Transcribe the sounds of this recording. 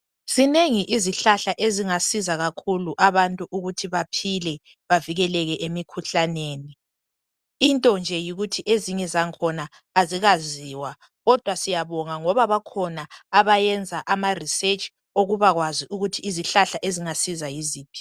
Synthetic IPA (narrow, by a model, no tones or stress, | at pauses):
sineŋiʔiziɬaɬaʔeziŋasizaɣakʰuluʔaβantʼuʔuɣutʰiβapʰilɛ | βaviɣɛlɛɣɛʔemikʰuɬaneːni | intʼɔnd͡ʒʱɛjiɣutʰiʔeziɲɛzaŋkʰɔnaː | ziɣaziwa | ɣɔd̥ʱwasijaβɔŋaŋɔβaβakʰɔnaːβajɛnd͡zʱaʔamariset͡ʃʼ | oɣuβaɣwaziʔuɣutʰiːziɬaɬaʔeziŋasizajiziːpʰi̥